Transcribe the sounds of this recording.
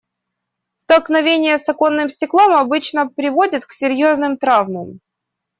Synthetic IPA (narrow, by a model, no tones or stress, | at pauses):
st̪əlˠknɐvʲenʲɪjəsɐko̞nːɨmsʲtʲɪklˠomɐbɨt͡ɕnəpɾʲɪvo̞dʲɪt̪ksʲɪɾʲjo̞znɨmt̪ɾavməm